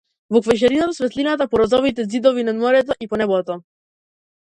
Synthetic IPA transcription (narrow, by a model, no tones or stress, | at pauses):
vɔkvɛʃ̬ɛɾinat̪ɔsvɛt̪linat̪apɔɾazɔvit̪̬ɛzid̪ɔvinad̪mɔɾɛt̪ɔʔipɔnɛblˠɔt̪ɔ